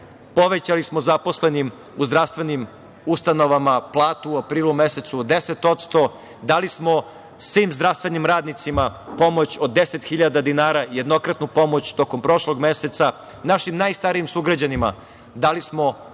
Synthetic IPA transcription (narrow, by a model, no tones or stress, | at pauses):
po̞ʋet͡ɕalismo̞zapo̞slenim | uzd̪ɾaʋst̪ʋe̞nim | ust̪ano̞ʋamaplˠaːt̪uːapɾiːlˠumeset̪sud̪e̞set̪o̞t̪st̪o̞ | d̪alismo̞ | sʋiːmzd̪ɾaʋst̪ʋe̞nimɾaːd̪nit̪simapo̞mo̞t͡ɕo̞d̪dːeset̪xiʎad̪ad̪inaːɾaje̞d̪no̞kɾat̪nupo̞mo̞t͡ɕt̪o̞kompɾo̞ʃlo̞ɡme̞se̞t̪sa | naʃimnaːjst̪aɾijimsuɡɾad͡ʑanima̰ | d̪alismo̞